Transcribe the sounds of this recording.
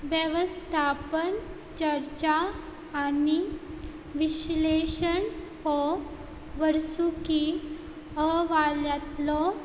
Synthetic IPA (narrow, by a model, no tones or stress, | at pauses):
ʋjɛʋəst̪ʰapən | t͡ɕəɾt͡ɕaː | ni | ʋiɕleɕən | hɔ | ʋəɾsuki | əʋaljat̪lɔ